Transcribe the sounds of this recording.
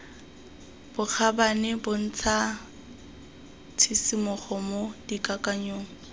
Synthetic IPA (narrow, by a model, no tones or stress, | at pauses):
b̥ʊk͡xʰabanɪbʊn̩t͡sʰa | t͡sʰisimʊχɔmodikʼakʼaɲoːŋ̩